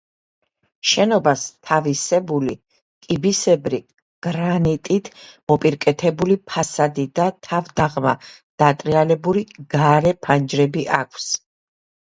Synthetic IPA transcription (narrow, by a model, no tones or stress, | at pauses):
ʃɛnɔbast̪ʰavisɛbuli | kʼibisɛbɾi | ɡ̥ɾanit̪ʼit̪ʰmɔpʼiɾkʼɛt̪ʰɛbulipʰasad̪id̪at̪ʰavd̪aʁma | d̪̥at̪ʼɾialɛbuliɡ̥aɾɛpʰand͡ʒɾɛbiʔakʷʰs